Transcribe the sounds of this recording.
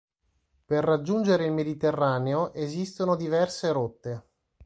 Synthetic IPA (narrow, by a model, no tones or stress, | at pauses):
perːad͡ʒːund͡ʒeɾeilmed̪it̪erːaːneoʔezist̪onod̪ivɛrseɾot̪ːe